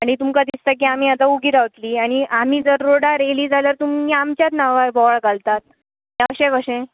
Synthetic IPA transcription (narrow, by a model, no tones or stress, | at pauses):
aɽ̃it̪umkad̪ist̪ak̬iːam̤iːat̪auɡiːɾaʋt̪liːaɽ̃iʔam̤iːd͡zəɾːoɽaɾeliːd͡zaljaɾt̪umiamt͡ɕjat̪naʋajbɔɭkalt̪at̪ | ɦãkəɕẽkəɕẽ